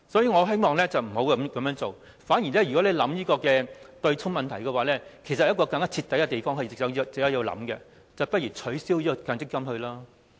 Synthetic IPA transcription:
sɔ˨˥jiː˨ŋɔ˨˧ɦe˥jmɔː˨˧ŋlɛː˥t͡sɐ˨wm̩˨˩ho˨˧˥wkɐ˨˧˥mkɐ˨˦mjœː˧˥ŋt͡so˨w | faː˨˥njiː˨˩lɛ˥jy˨˩kɔː˨˥le˨˧jlɐ˨˥mjiː˥kɔː˧kɛː˧t̪ɵ˧ɥt͡sʰʊ˥ŋmɐ˨nt̪ʰɐ˨˩jkɛ˧waː˨˦lɛː˥kʰe˨˩js̬ɐ˨jɐ˥t̚kɔː˧kɐ˧ŋa˦˥t͡sʰi˧t̪ːɐ˨˥jkɛ˧t̪e˨jfɔː˥ŋɦɐ˨˩t͡sɪ˨ksɐ˨˧˥t͡sɪ˨˥ja˨˧˩ji˧wlɐ̰˨˥mkɛ˧ | t͡sɐ˨wpɐt̚jyː˨˩t͡sʰɵ˨˥ɥsiː˥wjiː˥˨˧kɐ˨˧˥ŋt͡sɪ˥kːɐ˥mhɵ˧ɥlaː˥

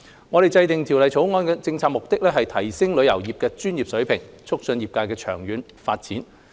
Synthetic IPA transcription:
ŋɔː˨˧ɾe˨jt͡sɐ˧jt̪ɪ˨ŋt̪ʰi˨˩wlɐ˨jt͡ʃʰo˨˥wŋɔː˧nkɛː˧t͡sɪ˧ŋt͡sʰaː˧k̚mʊ˨k̚t̪ɪ˥k̚lɛː˥ɦɐ˨jt̪ʰɐ˨˩jsɪ˥ŋlɵ˨˧ɥjɐ˨˩wjiː˨p̚kɛː˧t͡ʃyː˥njiː˨˩p̚sɵ˨˥ɥpʰɪ˨˩ŋ | t͡sʰʊ˥k̚sɵ˧njiː˨p̚kaː˧kɛː˧t͡ʃʰœː˨˩ŋjyː˨˧n | faː˧t̚t͡siː˨˥n

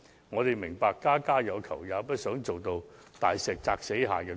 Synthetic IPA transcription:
ŋɔː˨˧t̪e˨jmɪ˨˩ŋpaː˧kːaː˥kaː˥jɐ˨˧wkʰɐ˨˩wjaː˨˧pɐ˥t̚sœː˨˥ŋt͡so˨wt̪o˧w | t̪aː˨jsɛː˨k̚t͡saː˧k̚se˨˥jɦaː˨kɛː˧

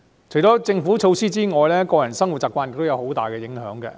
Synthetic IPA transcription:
t͡ʃʰɵ˨˩jt͡ʃɔː˨˥t͡sɪ˧ŋfu˨˥t͡ʃʰo˧wsiː˥t͡siː˥ŋɔː˨˧jlɛː˥kɔː˧jɐ˨˩nsɐ˥ŋwt̚t͡sːaː˨p̚kʷaː˧njɪ˨kt̪wjɐ˨˧who˨˥wt̪a̰ː˨jkɛ˧jɪ˨˥ŋɦœː˨˥ŋɡɛ̰˧

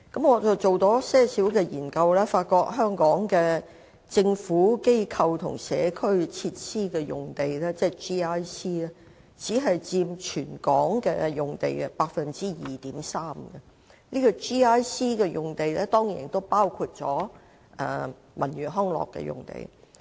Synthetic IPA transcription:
kɐ˨˥mŋɔː˨˧t͡sɐ˨wt͡so˨wt̪ɔː˨˥sɛː˥˩siː˨˥wkɛː˧jḭː˨˩nkɐ˧wlɛː˥faː˧t̚kɔː˧k̚ɦœː˥ŋkɔː˨˥ŋkɛː˧ | t͡sɪ˧ŋfuː˨˥ke˥jkʰɐ˧wt̪ʰʊ̰˨˩ŋsɛː˨˧kʰɵ˥ɥt͡sʰi˧t̚siː˥kɛː˧jʊ˨ŋt̪e˨jlɛː˥t͡sɛː˥t͡ʃiː˥aː˥jsiː˥lɛ˥ | t͡siː˨˥ɦɐ˨jt͡siː˧mt͡ʃʰyː˨˩nkɔː˨˥ŋkɛ̰˧jʊ˨˩ŋt̪e˨jpaː˧k̚fɐ˨nt͡siː˥jiː˨t̪iː˨˥msaː˥mkɛ˨ | niː˥kɔ˧t͡ʃiː˥aː˥jsiː˥kɛ˧jʊ˨˩ŋt̪e˨jlɛː˥t̪ɔː˥ŋjḭ˨˩nt̪o˥wpaː˥wkʰu˧t̚t͡sɔ̰ː˨˥ | ʔɛ̰ː˨˧ | mɐ̰˨˩njyː˨˩ɦɔː˥ŋlɔ̰˨kːɛ̰˧jʊ̰˨˩ŋt̪ḛ˨j

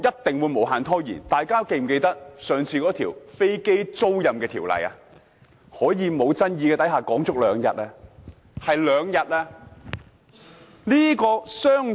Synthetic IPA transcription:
jɐ˥t̚t̪ɪ˨ŋwu˨˧jmo˨˩whaː˨˩nt̪ʰɔː˥jḭː˨˩nt̪aː˨jkaː˥ke˧jm̩˨˩ke˧jt̪ɐ˥k̚sœː˨ŋt͡sʰiː˧kɔː˨˥t̪ʰiː˨˩wfe˥jke˥jt͡so˥wjɐ˨mkɛː˧t̪ʰiː˨˩wlɐ̰˨˩ja̰ː˧ | hɔː˨˥jiː˨˧mo˨˧wt͡sɐ˥njiː˧kɛː˧t̪ɐ˨˥jhaː˨kɔː˨˥ŋt͡sʊ˥k̚lœː˨˧ŋjɐ̰˨t̚ɛː˧ | hɐ˨jlœː˨˧ŋjɐ˨t̚aː˧ | liː˥kɔː˧sœː˥ŋ

